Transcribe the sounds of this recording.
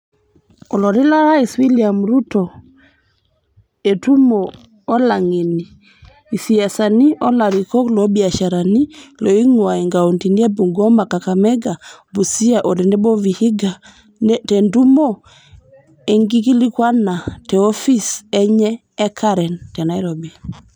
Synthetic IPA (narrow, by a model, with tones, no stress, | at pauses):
ɔ˨lɔ˨ɾɪ˦la˦ɾa˦i˨swi˦lia˨mɾu˦tɔ˨ | e˨tu˦moː˨˦ | la˨ŋi˨niː˨ | si˨a˨sa˨ni˦ʔɔ˦la˨ɾi˨kɔ˦klo˨˦bi˨a˨ʃa˨ɾa˨ni˦lo˨i˦ŋwa˨i˨ŋɡa˨o˨nti˨ni˦a˦bu˨ŋɡɔ˦ma˨ka˨ka˨mɛ˦ɡa˨bu˨si˦a˨ʔo˨dɛ˨ndɛ˦bɔ˦vi˨hi˦ɡa˨ | tɛ˨ndu˦mo˦ | e˨ŋɡi˦ki˦li˦kwa˦na˨tɛ˨ɔ˦fi˦sɛ˦ɲɛː˦ | kʰa˦ɾɛ˨ntɛ˨na˨i˦ɾobi˨a˨